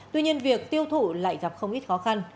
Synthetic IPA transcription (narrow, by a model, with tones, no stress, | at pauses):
t̪wi˧ɲi˧ənvi˨˩ək̚t̪i˧əwt̪ʰṵ˧˩la̰ː˧˨jɣa˨˩p̚xə˧wŋ͡mʔi˦˥t̚xɔ˨˦xa˧n